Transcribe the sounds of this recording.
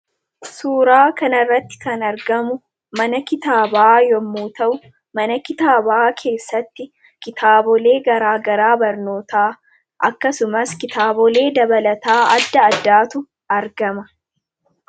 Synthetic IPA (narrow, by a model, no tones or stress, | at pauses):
suːɾaːkɐnɐrːɐt̪ːɪ̥kɐnɐɾɡɐmʊ | mɐnɐkɪt̪aːbaːjɔmːuːt̪ɐʔʊ | mɐnɐkɪt̪aːbaːkʰe̞ːsːɐt̪ːɪ | kɪt̪ʰaːbɔleːɡɐɾaːɡɐɾaːbɐɾno̞ːt̪aː | ʔɐkːɐsʊmɐskɪt̪aːbɔle̞ːd̪ɐbɐlɐt̪aːɐd̪ːɐːd̪ːaːt̪ʊ | ɐɾɡɐmɐ